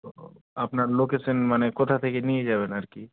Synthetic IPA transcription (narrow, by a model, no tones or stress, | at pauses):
apnaɾlokesənmanekot̪ʰat̪ʰekenied͡ʒaːbenaɾki